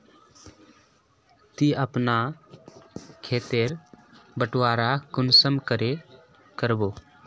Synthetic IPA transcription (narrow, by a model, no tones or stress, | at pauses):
t̪iəpna | kʰeːt̪eːɾbəʈwaːɾakʊnsəmkəɾe | kəɾboː